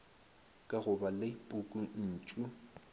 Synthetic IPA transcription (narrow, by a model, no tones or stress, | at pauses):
kʼaɣʊbaleipʼʊkʼun̩ːt͡ʃʼu